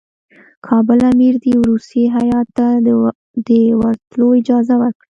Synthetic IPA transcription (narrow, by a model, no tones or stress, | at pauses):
kʰɑbəlamiɾd̪iwɾust̪iɦajɑt̪ːa | d̪əwaɾt̪loɪd͡ʒɑzawəɾkɽi